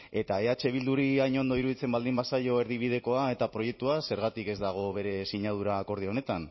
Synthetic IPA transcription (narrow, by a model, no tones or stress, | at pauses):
e̞t̪ae̞at͡ʃe̞β̞ild̪uɾiajɲo̞nd̪o̞iɾuð̞it͡se̞mbald̪imbasajo̞e̞ɾðiβ̞ið̞e̞ko̞ae̞t̪apɾo̞je̞k̚t̪uase̞ɾɣat̪ike̞zd̪aɣ̞o̞βe̞ɾe̞siɲað̞uɾaːko̞ɾð̞io̞ne̞t̪an